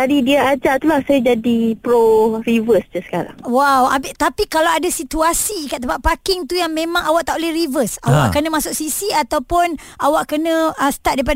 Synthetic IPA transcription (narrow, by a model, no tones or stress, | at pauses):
t̪adidiaad͡ʒaʔt̪ulahsajad͡ʒadipɾoɾivəsd͡ʒəsə̥kaɾa̰ŋwawa̰bɪt̪apikalaadasit̪uasikaʔt̪əpaʔpakɪŋt̪ujaŋmẽmãŋawaʔ̚t̪aʔolɛhrivəsa̰wa̰ʔkənə̃mãsʊk̚sisiat̪awpʊnawaʔkənə̃əsə̥t̪at̚daip̬a